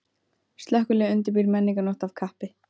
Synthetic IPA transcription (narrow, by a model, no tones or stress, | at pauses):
st̪lœhkʏlɛɣʏnt̪̬ɪɾpiɾmɛnːiŋkanɔht̪avkʰahpɪ